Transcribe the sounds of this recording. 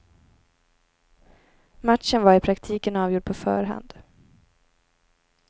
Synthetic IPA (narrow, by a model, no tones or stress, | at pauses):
mat̪ʂənvaɾɪpʰɾakt̪ʰiːkənɑːvjʊɖ̚pʰɔfœ̰ːɾɦa̰nd̪̥